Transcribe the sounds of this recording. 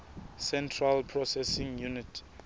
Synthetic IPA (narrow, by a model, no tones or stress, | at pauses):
sɛ̃ntʰralpʰɹɔsɛsĩŋjunitʰ